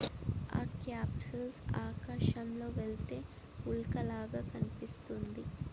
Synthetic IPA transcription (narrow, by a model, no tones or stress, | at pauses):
a̰ːkjaːpsulsaːkaːʃɐmlo̞ːʋelt̪e̞ː | ulkɐlaːɡaːkɐnipist̪und̪i